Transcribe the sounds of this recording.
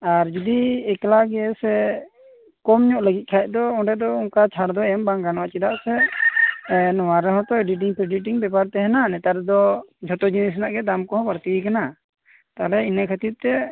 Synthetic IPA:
aɾd͡ʒud̪iɛklaɡɛsɛ | kɔmɲɔʔləɡit̪̚ˀkʰajʔ̚d̪ɔɔɖɛd̪ɔuŋkat͡ʃʰaɾd̪ɔɛmbaŋɡanɔwaʔt͡ʃid̪aʔsɛ | nɔwaɾɛɦɔ̃t̪ɔeɖiʈ̬iŋpɾɛɖiʈ̬iŋbɛpaɾt̪ɛɦɛnanɛt̪aɾd̪ɔd͡ʒʱɔt̪ɔd͡ʒinis̬naʔɡɛd̪amkɔɦɔ̃paɾt̪ikana | t̪aɦɛlɛinəkʰat̪it̪̚t̪ɛ

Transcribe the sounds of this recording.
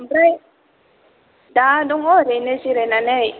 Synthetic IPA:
mbɾɛ | dadɔŋɔɾɛnɛsiɾɛnanɛ

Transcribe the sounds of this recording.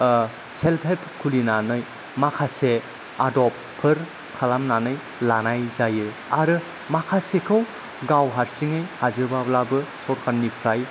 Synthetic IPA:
selpʰepʰkʰulinanɯj | makʰase | adɔp̚ʰːɯɾ | kʰalamnanɯj | lanajzajɯ | aɾɯ | makʰasekʰɯw | ɡawɦaɾsiŋɯjhazɯɾbablabɯsɔɾkʰanːipʰɾaj

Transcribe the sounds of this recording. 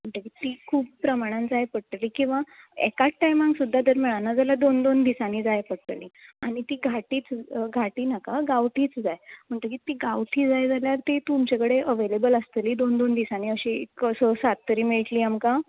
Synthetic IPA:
m̤əɳʈ̪əkit̪ikʰuːp̚pɾəmaɽ̃ãnd͡zajpəɽʈ̪əliːkĩw̃ʋaɛ̰kaʈːajmãŋɡsud̪ʱːad̪əɾmiɭanːad͡zaljad̪ond̪ond̪isaniːd͡zajpəɽʈ̪əliːaɽ̃it̪iːɡʱaʈiːt͡sɡʱaʈiːnakaɡaʋʈʰiːt͡sd͡zajm̤əɳt̪əkit̪iːɡaʋʈʰiːd͡zajd͡zaljaɾt̪et̪umt͡ɕekəɽeʔəʋelebələst̪əliːd̪ond̪ond̪isaniːəɕiksəsat̪ːəɾiːmiɭʈliːamka

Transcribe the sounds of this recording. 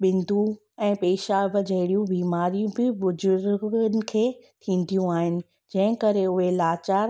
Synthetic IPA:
ɓɪ̃nd̪ʱu | ɛ̃ːpeːʃabɪd͡ʑɐɦɪɽijũbiːmaːɾijũbɪʋʊzʊɾɡənɪ̆kʰeːt̪ʰĩːn̆d̪ʱijũaːɦɪnɪ̆ | d͡ʑɐ̃ɦɪ̃kɐɾeʊɦelaːt͡ɕaːɾ

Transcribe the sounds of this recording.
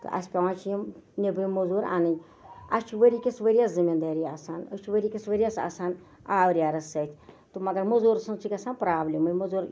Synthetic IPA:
t̪ɨ̰ʔɐ̰sʲpʲɐʋãːt͡ʃʰijimnʲebɨjmːɐzuːɾa̰ːnɨnʲ | ɐ̰st͡ʃʰiʋəɾikʲisʋəɾijaːszɨmʲind̪aːɾiːaːsaːnɐ̰st͡ʃʰiʋəɾikʲisʋɐɾijaːsa̰ːsaːn | aːʋɾʲjaːɾɐsɐt̪ʰʲt̪umɐɡɐɾmɐzuːɾsɐnt͡sʰukʲɐsaːnpɾaːblʲimɨmɐzuːɾ

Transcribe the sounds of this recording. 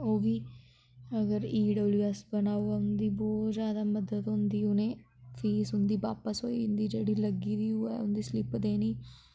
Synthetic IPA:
oːʋiː | əɡəɾiːɖəbliːəsbənaːuːɛːʊnd̪iːbɔːt̪zjaːd̪aːməd̪ət̪ɦʊ̃nd̪iːʊnẽː | fʰiːsɦʊnd̪iːʋaːpəsɦoːiːnd̪iːd͡ʒeːɽiːləɡiːʋiːoːɛ̰ːʊnd̪iːslɪpd̪eːniː

